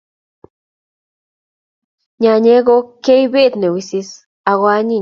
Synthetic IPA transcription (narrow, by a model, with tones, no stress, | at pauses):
ɲa˧ɲe˧˦ɡo˧ke˦jbi˦t̪ne˨wi˧si˧s | a˧ɣwa˧ɲi˧˨